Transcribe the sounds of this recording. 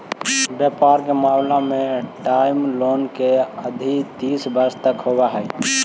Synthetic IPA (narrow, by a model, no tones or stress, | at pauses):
bjəpaːɾkemaːmlamẽʈaːɪmloːnkeəd̪ʱit̪iːsbəɾst̪əkɦoːwaɦɛː